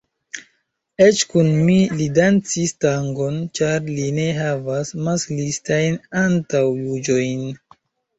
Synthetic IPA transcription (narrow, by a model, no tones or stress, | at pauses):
e̞t͡ʃkunmilidant͡sistaŋɡo̞nt͡ʃaɾline̞ɦavasmaslistajnantawjud͡ʒo̞jn